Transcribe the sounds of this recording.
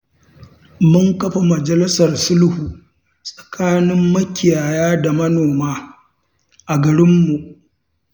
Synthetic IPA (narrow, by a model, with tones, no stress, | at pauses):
mʊ˦ŋkɐ˦ɸa˨mɐ˨d͡ʒɐ˨lɪ˦sɐ˨rsʊ˦lhuː˨ | sʼɐ̥˨kʰaː˦nɪ˦mːɐ˦kʲɪ˨jaː˨jaː˦da˨mɐ˦noː˨maː˦ | ʔa˨ɡɐ˨ɽɪ˦mːu˨ʔ